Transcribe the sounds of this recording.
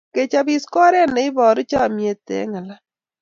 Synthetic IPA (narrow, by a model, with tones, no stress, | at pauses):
ke˨t͡ʃa˦bi˦skɔ˦ɾɛ˦˨nɛ˨˦ɪ˦bɔː˨ɾi˦t͡ʃa˦˨mje˨tɛ̰˨˦ŋa˨la˦